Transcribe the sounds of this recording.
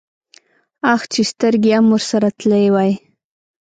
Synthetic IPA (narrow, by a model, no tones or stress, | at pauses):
axt͡ʃest̪əɾɡeamwuɾsaɾat̪ləwaj